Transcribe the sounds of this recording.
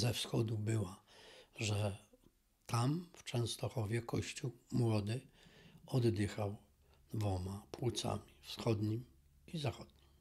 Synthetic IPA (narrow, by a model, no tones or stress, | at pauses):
zɛfsxɔd̪ubɘwaʐɛ | t̪amft͡ʂɛ̃w̃st̪ɔxɔvʲjɛkɔɕt͡ɕuwmwɔd̪ɘ | ɔd̪ːɘxaw | d̪vɔmapwut̪sa̰mʲifsxɔd̪ɲim | izaxɔd̪̥̚ɲim